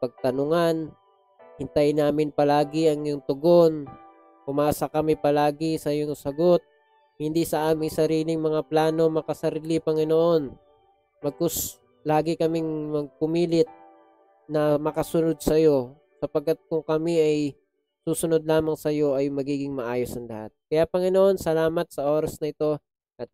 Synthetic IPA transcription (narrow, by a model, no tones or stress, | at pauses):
pɐɡ̚t̪ɐnʊŋan | hɪnt̪ajnaːmɪnpɐlaːɡɪɐŋjʊŋt̪ʊɡo̞n | kʊmaːsɐkɐmɪpɐlaːɡɪsɐjoŋsɐɡo̞t̪̚ | hɪnd̪isɐʔaːmɪŋsɐɾiːlɪŋmɐŋaplaːno̞mɐkɐsɐɾiːlɪpɐŋɪnoʔo̞n | mɐɡ̚kos | laːɡɪkɐmɪŋmɐɡ̚pʊmiːlɪt̪̚ | nɐmɐkɐsʊno̞d̪̚sɐjo̞ | sɐpɐɡ̚kːat̪̚kʊŋkɐmiʔɐj | suːsʊno̞d̪̚laːmɐŋsɐjo̞ʔɐjmɐɡiːɡɪŋmɐʔaːjo̞snɐŋlɐha̰t̪̚kɐjapɐŋɪno̞ʔo̞nsɐlaːmɐt̪̚sɐʔo̞ːɾɐsnɐɪt̪o̞ | ʔɐt̪̚